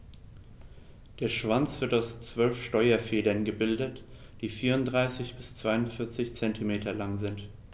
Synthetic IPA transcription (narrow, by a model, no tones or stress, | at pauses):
d̥eːɐʃv̥ant͡sv̥ɪɐtaʊst͡sv̥œlfʃtɔʏɐfeːdɐnɡəbɪldət | d̥iːfiːʁʊntdʁaɪsɪçb̥ɪst͡sv̥aɪʊntfɪɐt͡sɪçt͡sɛntʰimeːtʰɐlaŋzɪnt